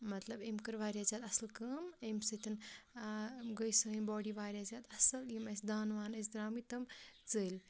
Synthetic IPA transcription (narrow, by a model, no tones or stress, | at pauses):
mɐt̪lɐbemkɐɾʋaːɾʲjaːzʲaːt̪ɐsɐlkɐmemsɨt̪ʰin | ɡəjsɐːimbɔːɖiʋaːɾʲjaːzʲaːt̪ɐsɐljimɐsʲd̪aːnʋaːnɐs̬d̪ɾaːmit̪ɐmt͡səlʲ